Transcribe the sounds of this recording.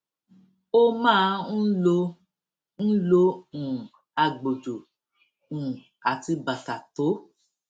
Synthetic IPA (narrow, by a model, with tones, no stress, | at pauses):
o˦mãː˦˧˦n̩˦lo˧ | n̩˦lo˧ũ˨ | a˧ɡ͡bo˨d͡ʒo˨ | ũ˨ | a˨ti˧ba˨ta˨to˨˦